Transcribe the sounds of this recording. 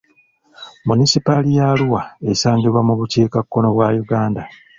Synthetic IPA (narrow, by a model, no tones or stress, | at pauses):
munisipalijaluwaesaːŋɡiβwamuβuceːkakːo̞no̞βwaːjuɡaːnda